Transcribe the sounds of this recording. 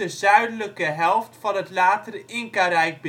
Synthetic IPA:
əzœɥdələkəɦɛlˠftfɑnətlaːtərəʔɪŋkaɾɛjk̚b

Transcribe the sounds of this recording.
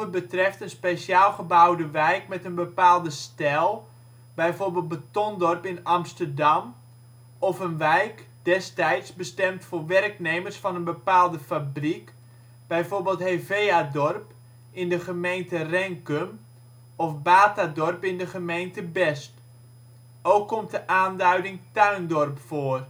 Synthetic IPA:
əbətrɛftənspesjaːlˠχəbawdəʋɛjkmɛtənbəpaːlˠdəstɛlˠ | bɛjforbeːlˠt̚bətɔndɔrpɪnɑmstərdɑm | ɔfənʋɛjkd̥ɛstɛjtsbəstɛmtfʊːrʋɛrkneːmərsfɑnənbəpaːlˠdəfabrik | b̥ɛjfoːrbeːlˠtɦeːveːadɔrp | ɪndəχəmejntərɛŋkøm | ɔfbaːtadɔrpɪndəχəmejntəbɛst | owkːɔmt̚dəʔaːndœɥdɪŋtœɥndɔrpfoər

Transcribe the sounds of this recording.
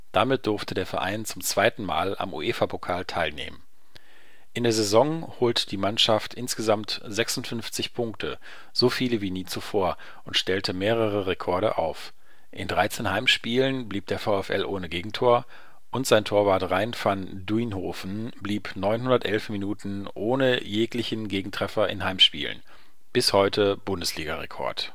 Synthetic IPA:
d̥amɪt̚d̥ʊɐftədeːɐfɛɐʔa̰ɪnt͡sʊmt͡sv̥aɪtn̩ma̰ːla̰mʔṵʔeːfapʰokʰaːltʰaɪlnḛːmən | ʔɪndeːɐzezɔŋhoːltəd̥iːmanʃaftʔɪnsɡ̥əzamtzɛksʊntfʏnft͡sɪçpʰʊŋk̚tʰə | z̥ofiːləviːniːt͡sufoːɐ | ʔʊntʃtɛltʰəmeːʁ̞əʁəʁekʰɔɐɾə̰ʔa̰ʊf | ʔɪndʁaɪt͡seːnhaɪmʃpiːlənbliːp̚d̥eːɐfaʊɛfʔɛ̰lʔoːnəɡeːɡŋ̩tʰoːɐ | ʔʊntz̥aɪntʰoːɐvaɐtʁaɪnfan | duinhoːfn̩bliːpnɔʏnhʊndɐtʔɛlfminuːtn̩ʔoːnəjeːklɪçn̩ɡeːɡŋ̩tʁ̥ɛfɐɪ̰nhaɪmʃpḭːlə̰n | b̥ɪshɔʏtʰəb̥ʊndəsliːɡaʁɛkʰɔ̰ɐt

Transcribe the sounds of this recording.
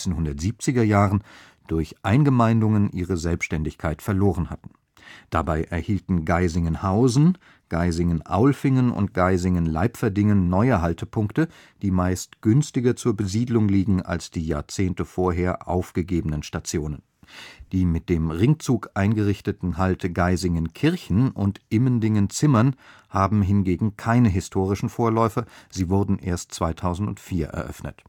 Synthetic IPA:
enhʊndɐtz̥iːp̚t͡sɪɡɐjaːʁən | d̥ʊɐçʔaɪnɡəmaɪndʊŋənʔiːʁ̞əzɛlpsʃtɛndɪçkʰaɪtfɛɐloːʁ̞ənhatn̩ | d̥abaɪʔɛɐhiːltn̩ɡaɪzɪŋənhaʊzn̩ | ɡ̥aɪzɪŋənʔa̰ʊlfɪŋənʊ̰nt̚ɡ̥aɪzɪŋənla̰ɪpfɛɐdɪŋənːɔʏəɦaltəpʰʊŋktə | d̥iːmaɪstɡ̥ʏnstɪɡɐt͡suːɐbəziːdlʊŋliːɡŋ̩a̰lsd̥iːja̰ːɐt͡seːntəfoːɐɦeːɐʔa̰ʊfɡ̥əɡeːbənənʃtat͡sjoːnən | d̥iːmɪt̚d̥eːmʁɪŋt͡suːkʔaɪnɡəʁɪçtətn̩ɦaltʰəɡaɪzɪŋənkʰɪɐçn̩ʊntʔɪməndɪŋənt͡sɪmɐnhaːbm̩ɦɪnɡeːɡŋ̩kʰaɪnəɦɪstʰoːʁ̞ɪʃn̩foːɐlɔʏfɐziːvʊɐdn̩ʔḛːɐstt͡sv̥aɪtʰaʊzn̩tʊ̰ntfiːɐʔɛ̰ɐʔœ̰fnə̰t

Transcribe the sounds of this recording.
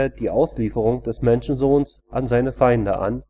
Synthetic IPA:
d̥iːʔaʊsliːfəʁ̞ʊŋd̥ɛsmɛnʃn̩zoːns | ʔanzaɪnəfaɪndəʔa̰n

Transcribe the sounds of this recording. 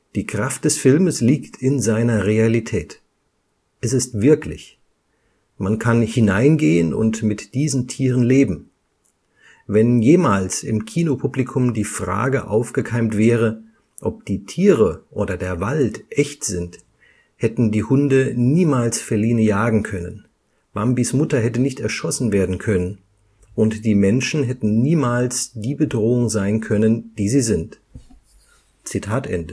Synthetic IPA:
d̥iːkʁ̥aft̚d̥ɛsfɪlməsliːktʰɪnzaɪnɐʁealitʰɛːt | ʔɛsɪstv̥ɪɐklɪ̰ç | mankʰanhɪnaɪnɡeːənʊ̰ntmɪtd̥iːzn̩tʰiːʁənleːbm̩ | vɛnjeːmaːlsɪmkʰiːnopʰublikʰʊmdiːfʁ̥a̰ːɡəʔa̰ʊfɡ̥əkʰaɪmtv̥ɛːʁ̞ə | ʔɔp̚d̥iːtʰiːʁəʔoːdɐdeːɐvaltʔɛçtz̥ɪnt | hɛtn̩diːhʊndəniːmaːlsfɛɐliːnəjaːɡŋ̩kʰœnən | b̥ambismʊtɐɦɛtənɪçtɛɐʃɔsn̩veːɐdn̩kʰœnən | ʔʊntd̥iːmɛnʃn̩ɦɛtn̩niːmaːlsd̥iːbədʁoːʊŋzaɪnkʰœnənd̥iːziːzɪnt | t͡sitʰaːtʔɛ̰ndə

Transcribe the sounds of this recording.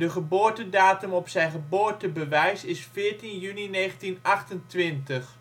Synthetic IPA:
dəχəbʊːɹtədaːtəmɔpsɛjnχəboːɹtəbəʋɛjsɪsfɪːɹtinjynineːχəntinɑχtəntʋɪntəχ

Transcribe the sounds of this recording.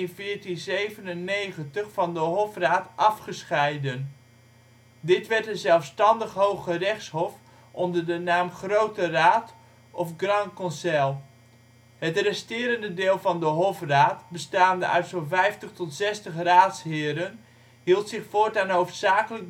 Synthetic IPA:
nvɪːɹtinzejvənənːejχəntəχfɑndəɦɔfraːtɑfχəsχɛjdən | dɪtʋɛɹtənzɛlˠfstɑndəχɦowχərɛχshɔf | ʔɔndərdənaːmχrowtəraːt | ɔfɡrɑnkɔnsɛlˠ | ɦətrɛstɪːɾəndədɪːlˠvɑndəɦɔfraːtbəstaːndə̰ʔœ̰ɥtsɔlˠvɛjftəχtɔtsɛstəχraːtshɪːɾən | ɦilˠtsɪχfoːtanɦowftsaːkələk̚

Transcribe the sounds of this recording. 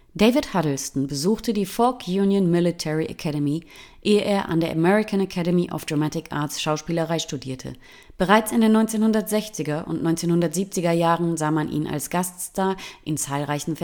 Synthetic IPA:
d̥eɪvɪthadl̩stn̩bəzuːxtədiːfɔlkʰjuːnjənmɪlitʰɛʁiʔa̰kʰɛɾəmi | ʔeːəʔeːɐʔa̰ndeːɐʔamɛʁɪkanakʰɛɾəmiʔa̰fd̥ʁamatɪkʔa̰ːɐtsʃaʊʃpiːləʁaɪʃtudiːɐtʰə̰ | b̥əʁaɪt͡sɪndeːnːɔʏnt͡seːnhʊndɐtz̥ɛçt͡sɪɡɐʔʊ̰ntnɔʏnt͡seːnhʊndɐtz̥iːp̚t͡sɪɡɐjaːʁənzaːmanʔḭːnʔa̰lsɡ̥aststaːɐʔɪnt͡saːlʁaɪçn̩f

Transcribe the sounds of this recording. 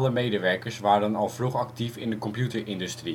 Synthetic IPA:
ləmejdəʋɛɹkəɹsʋaːɾənɑlˠvruχɑktifɪndəkɔmpjutəɹʔɪndʉstri

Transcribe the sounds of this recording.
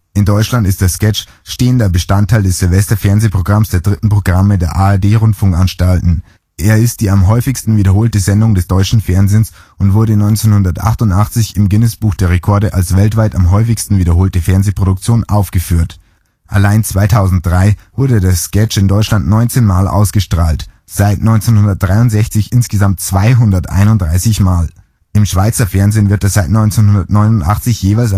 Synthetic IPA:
ʔɪndɔʏt͡ʃlantɪstd̥eːɐskɛt͡ʃ | ʃteːəndɐbəʃtantʰːaɪldɛsz̥ɪlvɛstɐfɛɐnzeːpʁ̥oɡʁamsd̥eːɐdʁɪtn̩pʁ̥oɡʁamədeːɐʔaɛɐdeːʁʊntfʊŋkʔanʃtaltn̩ | ʔeːɐɪst̚d̥iːamɦɔʏfɪçstn̩viːdɐɦoːltəzɛndʊŋdɛsd̥ɔʏt͡ʃn̩fɛɐnzeːnsʔʊntv̥ʊɐɾənɔʏnt͡seːnhʊndɐtʔa̰χtʊntʔaχt͡sɪçɪmɡɪnəsb̥uːxd̥eːɐʁekʰɔɐɾəʔalsv̥ɛltv̥aɪtamɦɔʏfɪçstn̩viːdɐɦoːltəfɛɐnzeːpʁ̥oɾʊk̚t͡sjoːnʔaʊfɡ̥əfyːɐt | ʔa̰laɪnt͡sv̥aɪtʰaʊzn̩t̚d̥ʁaɪvʊɐdədaɐskɛt͡ʃɪndɔʏt͡ʃlantnɔʏnt͡seːnmaːlʔa̰ʊsɡ̥əʃtʁ̥aːlt | z̥aɪtnɔʏnt͡seːnhʊndɐt̚d̥ʁaɪʊntz̥ɛçt͡sɪçʔɪnsɡ̥əzamtt͡sv̥aɪɦʊndɐtʔa̰ɪnʊntdʁaɪsɪçmaːl | ʔɪmʃv̥aɪt͡sɐfɛɐnzɪːnvɪɐt̚dasz̥aɪtnɔʏnt͡senhʊndɐtnɔʏnʊntʔa̰χt͡sɪçjeːvaɪls̬a

